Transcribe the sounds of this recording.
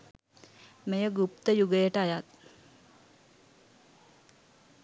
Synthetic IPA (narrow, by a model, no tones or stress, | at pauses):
mejəɡup̚t̪əjuɡəjəʈəajat̪̚